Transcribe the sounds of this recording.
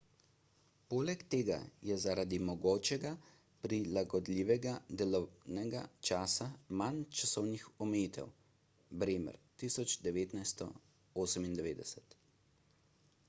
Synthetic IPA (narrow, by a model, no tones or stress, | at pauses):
poːlɛkt̪eːɡa̰jɛzaɾad̪imɔɡoːt͡ʃɛɡa | pɾilaɡɔd̪lʲiːʋɛɡad̪ɛlɔnɛɡa̰t͡ʃaːsamant͡ʃasɔwnixɔmɛjiːt̪ɛ̰w | bɾeːmɛ̰ɾt̪iːsɔd͡ʒd̪ɛʋeːt̪najst̪ɔ̰ | oːsəmind̪ɛʋeːd̪ɛ̰sɛt̪